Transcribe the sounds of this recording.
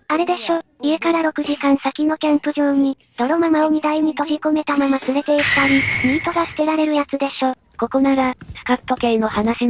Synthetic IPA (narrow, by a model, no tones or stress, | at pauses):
aɾe̞d̪e̞ɕo̞ie̞kaɾaɾo̞kɯ̟ʑikãɰ̃sakʲino̞kẽ̞mpɯ̟ʑo̞ːɲ̟i | d̪̥o̞ɾo̞mamaom̟ʲid̪aiɲ̟it̪o̞ɾʲikome̞t̪amamat͡sɨɾe̞t̪e̞ikɯ̥t̪aɾʲimʲit̪o̞ɡasɨ̥k̪e̞ɾaɾe̞ɾɯ̟jat͡sɨd̪e̞ɕo̞ | ko̞ko̞naɡasɯ̟̥kapːo̞kẽ̞no̞hanaɕi